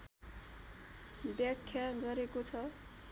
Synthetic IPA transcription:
bjʌkʰːjaɡʌɾekot͡sʰʌ

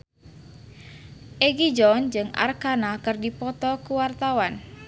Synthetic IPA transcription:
ʔeɡid͡ʒɔnd͡ʒɨŋa̰rkanakɨrdipɔt̪ɔkuwart̪awan

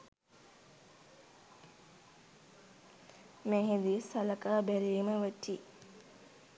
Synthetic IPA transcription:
mɛːɦid̪isaləkaːbæɾiːməʋəʈːi

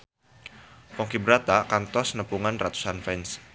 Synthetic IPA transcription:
pɔŋkibəɾat̪akant̪ɔsnəpuŋanrat̪u̥sanfɛns

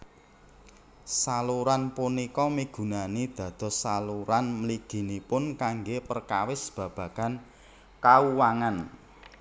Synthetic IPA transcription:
saluɾanpunikɔmiɡ̥ṳnanid̪̥ä̤d̪̥ɔ̤saluɾanməliɡ̥i̤nipʊnkaŋɡepərkawɪsb̥ä̤b̥ä̤kan | kauwaŋan

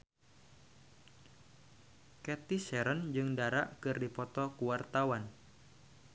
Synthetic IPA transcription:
kɛt̪isɛɾənd͡ʒɨŋdaɾaʔkɨrdipɔt̪ɔkuwart̪awan

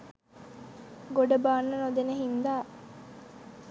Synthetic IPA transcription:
ɡoɖəbaːnːɐnod̪eneɦind̪aː

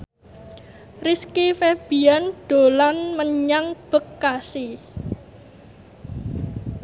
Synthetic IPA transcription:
riskifeb̥ianɖ̪̥o̤lanməɲaŋb̥əkːasi

